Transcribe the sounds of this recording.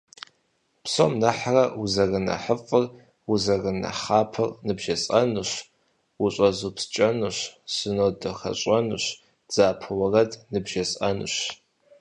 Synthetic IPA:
pso̰mnɐħrɐuzɐrɨnɐ̰ħəfʼɨr | uzɐrɨnɐ̰χaːpʰɨrnɨbʒɐsʼɐnɨɕ | wʊɕʷʼɐzupst͡ʃʼɐnɨɕsɨnoːdɐxɐ̰ɕʼɐnɨɕ | d͡z̥aːpʰɨwɐrɐdnɨbʒɐsʼɐnɨ̰ɕ

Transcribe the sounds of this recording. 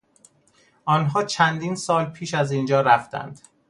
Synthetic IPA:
ʔɒːnɦɒːt͡ʃʰænd̪iːnsɒːlpʰiːʃæzind͡ʒɒːɾæft̪æ̰nd̪̥

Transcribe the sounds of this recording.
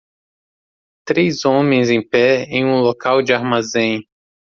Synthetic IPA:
t̪ɾejzõmẽj̃zẽj̃pɛẽj̃ũlokawd͡ʒɪaɾmazẽj̃

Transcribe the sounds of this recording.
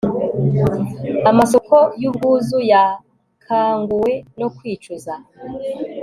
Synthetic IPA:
amaso̞kʰo̞jumɡuːzuja | kʰaːŋɡuwe̞nokwiːt͡ʃuza

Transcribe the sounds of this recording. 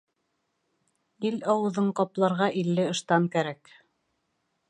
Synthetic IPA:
ilɑwɤ̆ðɤɴqɑplˠɑɾʁɑʔilːɘɤ̆ʃt̪ɑŋkæɾæk

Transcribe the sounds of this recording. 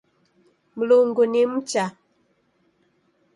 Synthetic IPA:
m̩loŋɡonem̩t͡ʃa

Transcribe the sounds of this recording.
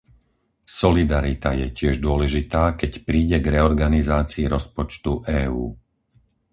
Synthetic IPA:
sɔlid̪aɾit̪ajɛcɪɛʒd̪ʊɔlɛʒit̪aːkɛcpɾiːɟɛɡɾɛɔɾɡanizaːt͡siːɾɔspɔt͡ʃt̪uʔɛːuː

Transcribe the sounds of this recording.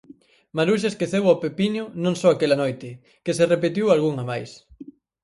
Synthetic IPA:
maɾuʃ̬eskeθeβapepiɲʊnõŋsɔoakelanojt̪ɪ | keserepet̪̬iwalɣuŋamajs

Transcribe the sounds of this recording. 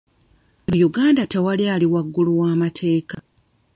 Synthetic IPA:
juɡaːndatewalialiwaɡːuluwaːmatʰe̞ːka

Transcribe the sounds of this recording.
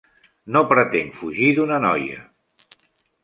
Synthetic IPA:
nopɾət̪eŋfuʒiðunənɔ̰jə̰

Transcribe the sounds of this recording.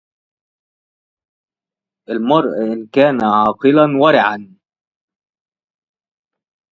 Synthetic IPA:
ʔalmɑɾˤʔʔɪnkaːnaʕɑːqɨlanwɑɾˤɪʕan

